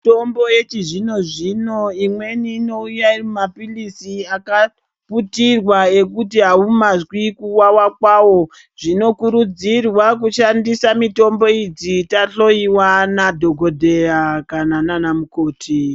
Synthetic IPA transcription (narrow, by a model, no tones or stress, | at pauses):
tombojet͡ʃiʐino̞ʐino̞imwe̞niːno̞ujaimapilisiaka | putirwaekutiɦaumazwikuwawakwaːwo̞ | ʐ̥ino̞kuɾud͡zirwak̬uʃandisamito̞mbo̞id͡zitaɬo̞iwanadʱo̞ɡʱo̞dʱe̞ɾakanananamukoːtʰi